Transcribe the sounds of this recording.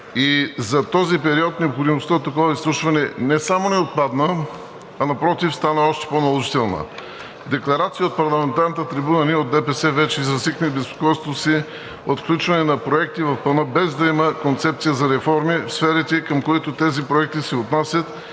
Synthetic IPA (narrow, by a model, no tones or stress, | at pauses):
izɐt̪ɔzipɛɾiɔt̪nɛopxod̪imost̪əot̪ːɐkɔvəislˠuʃvɐnɛnɛsamonɛot̪̚pad̪nə | ɐnɐpɾɔt̪ifst̪anəɔʃt̪ɛ̥ponɐlˠoʒit̪ɛlˠnə̰ | d̪ɛklˠɐɾat̪sijəot̪̚pɐɾlˠɐmɛnt̪aɾnət̪ət̪ɾibunəniod̪̚d̪ɛpɛsɛvɛt͡ʃɛizɐsiknibɛspo̥kɔjst̪t̪osi | ot̪klʲut͡ʃvɐnɛnɐpɾoɛk̚t̪ivɐfpɐnəbɛzd̪ɐiməkont̪sɛp̚t̪sijəzɐɾɛfɔɾmifsfɛɾit̪ɛkəmkoɛt̪ot̪ɛzipɾoɛk̚t̪isɛot̪nasʲjɐt̪